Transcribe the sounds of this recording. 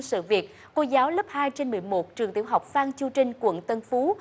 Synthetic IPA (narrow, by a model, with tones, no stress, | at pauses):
sɨ̰˧˨vi˨˩ət̚ | ko˧zaː˨˦wlə˦˥p̚haː˧jt͡ɕe˧nmɨ˨˩əjmo˨˩t̚t͡ɕɨ˨˩əŋt̪ḭ˧˩əwɦa˨˩wk͡p̚faː˧ŋt͡ɕu˧t͡ɕï˧ŋ̟kwə̰˧˨nt̪ə˧nfu˨˦